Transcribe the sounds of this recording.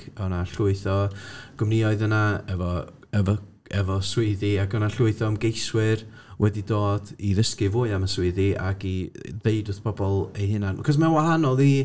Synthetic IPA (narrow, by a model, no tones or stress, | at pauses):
ɔnaɬʊɨθɔɡ̥ʊmniɔɨðənaɛvɔ | ɛvɔ | ɛvɔswʊðiaɡɔnaɬʊɨθɔmɡejswɪr | wʔɛdidoːd̥iðəskɨvoːɨamaswɪɨðiʔa̰ɡiðeɨdʊθpʰɔbɔlˠejhɨnanakʰɔs̬mawahanɔlˠiː